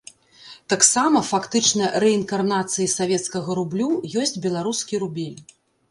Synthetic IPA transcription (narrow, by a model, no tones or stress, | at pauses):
t̪aksamɐfakt̪ɨt͡ʂnɐɾɛinkarnat̪sɨjisavʲɛt̪skɐɣɐɾublʲujɔsʲt͡sʲbʲɛlˠaɾuskʲiɾubʲɛlʲ